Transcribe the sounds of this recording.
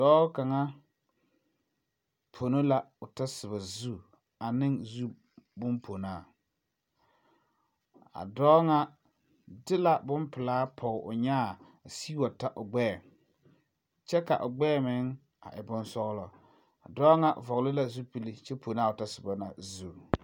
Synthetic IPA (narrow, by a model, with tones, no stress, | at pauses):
dɔː˦ka˨ŋa˦ | pʰo˨no˦la˦ʊ˨ta˦sɪ˨ba˨zu˦˨ | a˨nɪ˦ŋzu˦ | bʊ˦mpʰo˨naː˦˨ | a̰˨dɔː˦ŋa˦ | dɪ˦la˨bʊ˦mpɪ˨laː˦pʰɔ˨ʔʊ̰˨ɲaː˦˨ | siː˦wa˨ta˦ʔʊ˨ɡ͡bɛː˦˨ | t͡ʃɛ˦ka̰˨ʔʊ˨ɡ͡bɛː˦˨mɪ˨˦ŋ | a̰˨ʔɪ˨bʊ˦nsɔ˦ɣlɔ˨ | a˨dɔː˦ŋa˦ʔvɔ˨ɣlɪ˦la˦zu˦pi˨li˦t͡ʃɛ˦pʰo˨na˦˨ʊ˨ta˦sɪ˨ba˨na̰˨zu˦˨